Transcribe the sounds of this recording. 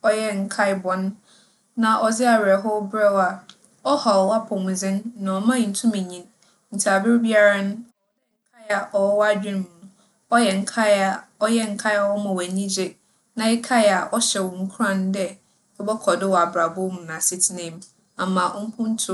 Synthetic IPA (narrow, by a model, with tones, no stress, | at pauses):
ɔ˦jɛ˦ŋ̩˨kʰa˦ɪ˨bɔ̃˨nː | ã˨ʔɔ˨d͡zɪ˦a˨ɥɛ˨ɦɔ˦bɾɛ˦wa˨ | ɔ˦hɔ˨ɔ˨wa˦pʰɔ̃˨mũ˨zɪ̃˦nːã˨ɔ˨mã˦˨n̩˨tʰũ˦mĩ˨ɲĩ˨n | n̩˨tʰa˨bɪ˦ɾbi˦a˦ɾa˦nʊ̃˦ | ã˨˦ŋ̩˦kʰa˦ja˨ʔɔ˨wɔ˦wa˦d͡ʑᶣɪ̃˦nm̃˨nũ˦ | ɔ˦jɛ˨ŋ̩˨kʰa˦ɪ˦a˨ɔ˦jɛ˦ŋ̩˨kʰa˦ɪ˦a˨˦wɔ˦mã˨wæ˨ɲĩ˦d͡ʑe˦ | nã˨ɪ˦kʰa˦ja˨ʔɔ˦ɕɛ˨wɔ̃˨ŋ̩˦kʰu˦ɾã˦n˦dɛ˦ | ɔ˦bɔ˦kʰɔ˨dɪ˦wɔ˨a˨bɾa˨bʊ˦mũ˨nã˨sɪ˦tʰɪ˦nɪ̃˦m | a˨mã˨ʔʊ˦m̩˦pʰʊ̃˦n̩˦tʰʊ˦˨